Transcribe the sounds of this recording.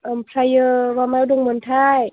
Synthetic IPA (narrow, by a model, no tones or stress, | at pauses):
ʔɤːmpʰɾajɤːwaːmawdoŋmunt̪ʰaːj